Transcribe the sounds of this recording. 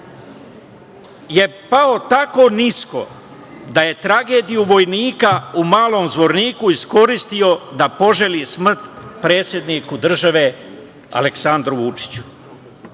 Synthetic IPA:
je̞pao̞t̪ako̞ːnisko̞̰ | d̪aje̞t̪ɾaɡeːd̪ijuʋo̞jniːkaumaːlˠo̞ːmzʋo̞ɾniːkuisko̞ɾist̪io̞d̪apo̞ʒe̞lismr̩t̪pɾe̞ːt̪sʲje̞d̪nikud̪r̩ʒaʋe̞ | a̰leksand̪ɾuʋut͡ʂi̥t͡ɕu̥

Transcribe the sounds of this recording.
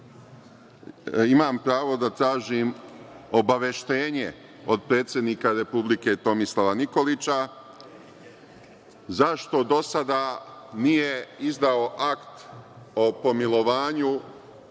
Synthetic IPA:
imaːmpɾaːʋo̞d̪at̪ɾaːʒiːmo̞baʋe̞ʃt̪e̞ːɲe̞ | o̞d̪̚pɾe̞ːt̪sʲjed̪niːkaɾe̞publike̞t̪o̞mislˠaʋaniko̞lit͡ɕa | zaʃt̪o̞d̪o̞sad̪aːnije̞izd̪ao̞ʔakt̪ | o̞po̞milo̞ʋaːɲu

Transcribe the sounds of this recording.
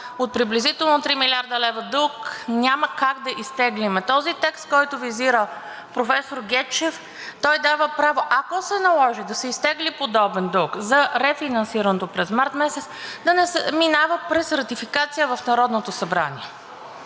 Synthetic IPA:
ot̪̚pɾiblizit̪ɛlˠnot̪ɾimilʲaɾd̪ɐlɛvəd̪ɤlˠknʲaməkaɡd̪ɐʔist̪ɛɡlimɛt̪ɔzit̪ɛkst̪̚kɔjt̪ʊviziɾə | pɾofɛsoɾɡʲɛt͡ʃɛf | t̪ɔjd̪avəpɾavoʔɐkosɛnɐlˠɔʒid̪ɐsɛist̪ɛɡlipod̪ɔbɛnd̪ɤlˠkzɐɾɛfinɐnsiɾənot̪opɾɛzmaɾt̪mɛsɛt̪sd̪ɐnɛsɛminavəpɾɛsɾɐt̪ifikat̪sijəvɐfnɐɾɔd̪not̪osɐbɾa̰nʲiɛ

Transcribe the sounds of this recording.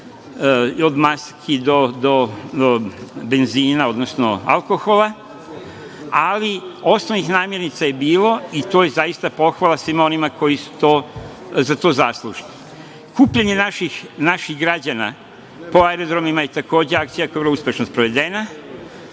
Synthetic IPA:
o̞d̪maskʰid̪o̞d̪o̞ | be̞nziːnao̞d̪nosno̰a̰lko̞xo̞la | alio̞snonixnaːmje̞ɾnit̪saje̞biːlo̞it̪oːjezajist̪apo̞xʋalˠasʋimo̞nimako̞jisu̥t̪o̞ː | zat̪o̞ːzaslˠuʒni̥ | kuːpʎaɲe̞naʃixnaʃiɣɡɾad͡ʑana̰ | po̞aeɾod̪ɾo̞mimajet̪ako̞ːd͡ʑeak̚t̪sijakoeɾluspʲje̞ʃnost̪pɾoʋe̞d̪e̞na

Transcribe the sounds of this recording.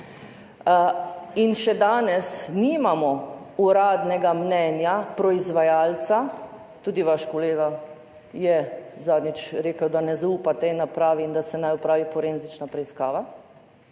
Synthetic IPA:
inʃɛd̪aːnɛsniːmamɔuɾaːd̪nɛɡamnɛːnjapɾɔizʋajaːlt̪sa | t̪uːd̪iʋaʃkɔleːɡa | jɛzaːd̪nit͡ʃɾeːkəwd̪anɛzauːpat̪ɛinːapɾaːʋind̪asɛnajɔpɾaːʋifɔɾeːnzit͡ʃnapɾɛiskaːʋa

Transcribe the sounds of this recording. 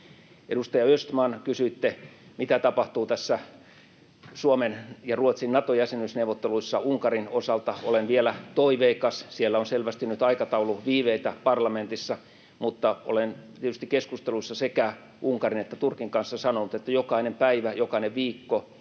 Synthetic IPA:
ḛdust̪ɑjɑøst̪mɑːnkysyit̪ːemit̪æt̪ɑpɑht̪uːt̪æsːæ | suomenjɑruot̪sinnɑt̪ojæsenysneuʋot̪ːeluisːɑuŋkɑrinosɑlt̪ɑolenʋielæt̪oiʋeikɑssielːæonselʋæst̪innyt̪ɑikɑt̪ɑuluʋiːʋeit̪æpɑrlɑment̪isːɑ | mut̪ːɑʔo̰lent̪iet̪yst̪ikeskust̪eluisːɑsekæ | ʔuŋkɑrinet̪ːæt̪urkiŋkɑnsːɑsɑnonut̪et̪ːæjokɑinempæiʋæjokɑineʋʋiːkːo

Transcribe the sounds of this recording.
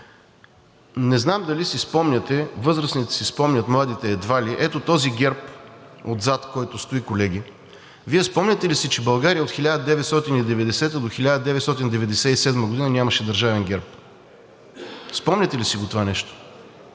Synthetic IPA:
nɛznamd̪ɐlisispɔmnʲɐt̪ɛvɤzɾəsnit̪ɛ̥sispɔmnʲət̪mlˠad̪it̪ɛːd̪valʲiʔɛt̪ot̪ɔziɡʲɛɾpod̪zat̪kɔjt̪ost̪oikolɛɡ̟ʲi | viɛspɔmnʲɐt̪ɛlisit͡ʃɛbɐlˠɡaɾijəot̪xilʲad̪əd̪ɛvɛt̪st̪ɔt̪inid̪ɛvɛd̪ɛsɛt̪əd̪oxilʲad̪əd̪ɛvɛt̪st̪ɔt̪ind̪ɛvɛd̪ɛsɛisɛd̪məɡod̪inənʲaməʃɛd̪əɾʒavɛnɡʲɛɾp̚ | spɔmnʲɐt̪ɛlisiɡot̪ovanɛʃt̪o̥

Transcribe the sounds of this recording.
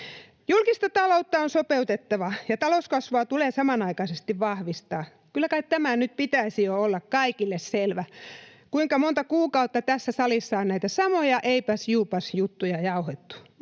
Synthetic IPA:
julkist̪ɑt̪ɑlout̪ːɑonsopeut̪et̪ːɑʋɑjɑt̪ɑloskɑsʋoɑt̪uleːsɑmɑnɑikɑisest̪iʋʋɑhʋist̪ɑː | kylːækɑikt̪æmænyt̪̚pit̪æisijoolːɑkkɑikilːesselʋæ | kuiŋkɑmont̪ɑkuːkɑut̪ːɑt̪æsːæsɑlisːɑonnæit̪æsɑmojɑʔeipæsjuːpɑsjut̪ːujɑjɑuhet̪ːu̥

